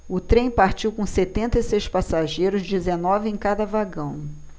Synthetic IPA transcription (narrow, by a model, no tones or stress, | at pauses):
ʊt̪ɾẽj̃paɾt͡ʃiwkõset̪ẽnt̪ɐisejspasaʒejɾʊzd͡ʒɪzenɔvɪẽj̃kad̪ɐvaɡɐ̃w̃